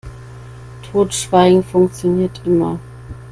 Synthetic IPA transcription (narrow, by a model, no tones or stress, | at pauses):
tʰoːtʃv̥aɪɡŋ̩fʊŋkt͡sjoniːɐtʔɪmɐ̰